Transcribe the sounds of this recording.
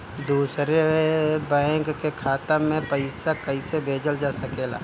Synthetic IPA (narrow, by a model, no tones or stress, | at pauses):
d̪uːsɾebɛ̃ŋkkekʰaːt̪əmẽpəɪsakəɪsebʱeːd͡ʒəld͡ʒaːsɐkeːla̰ː